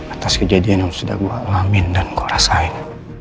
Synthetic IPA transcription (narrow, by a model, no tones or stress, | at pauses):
at̪askəd͡ʒadianjaŋsuda̰hbua̰ʔlamindankoɾasain